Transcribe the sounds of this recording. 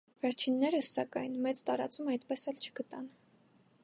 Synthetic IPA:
vɛɾt͡ʃʰinːɛɾəsːɑkɑjnmɛt͡st̪ɑɾɑ̰t͡sumɑjt̪pɛsɛlt͡ʃʰə̥ɡət̪ɑn

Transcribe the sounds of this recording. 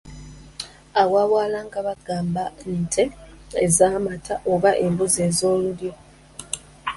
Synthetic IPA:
awaβwaːlaŋɡaβaɡ̥aːmbanintʰeezamatʰaʔoβaʔembuzeːzo̞ːluljo

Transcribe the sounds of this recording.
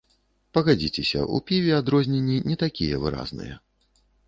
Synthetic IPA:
pɐɣad͡zʲit͡sʲɛsʲɐ̰ʔṵpʲivʲiad̪ɾɔzʲnʲenʲːinʲɛt̪akʲijɛvɨɾa̰znɨ̰jɛ

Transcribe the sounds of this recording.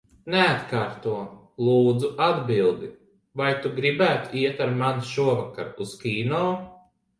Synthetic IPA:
neat̪kaːɾt̪uɔ | lˠuːd̪zuʔad̪bilˠd̪i | vajt̪uɡɾibæːt̪u̥iɛt̪aɾmanʃuɔvaka̰ɾuskʲiːnɔː

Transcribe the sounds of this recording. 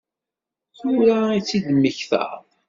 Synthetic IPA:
θuɾait͡sːiðəmːəçθæ̰

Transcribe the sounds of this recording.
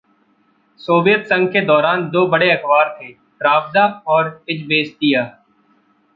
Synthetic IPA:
soːʋijət̪sə̃ŋɡ̚ked̪ɔːɾaːnd̪oːbəɽeɐkbaːɾt̪ʰeː | pɾaːbzaɔːɾɪd͡ʒbeːst̪ijaː

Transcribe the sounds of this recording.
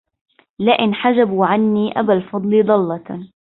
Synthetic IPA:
laʔɪnħad͡ʒabuːʕanːiːʔa̰balfɑd̪ˤlid̪ˤɑlːɑ

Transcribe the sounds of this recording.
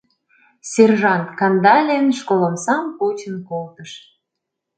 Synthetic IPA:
serʒɑnt̪kɑnd̪ɑlʲenʃkolə̆msɑmkut͡ɕənkolt̪əʃ

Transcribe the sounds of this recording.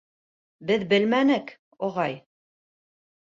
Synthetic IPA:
bɘðbɘlmænɘk | oʁɑj

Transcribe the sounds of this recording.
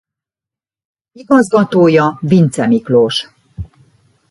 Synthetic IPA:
iɡɒzɡɒt̪oːjɒvint̪sɛmikloːʃ

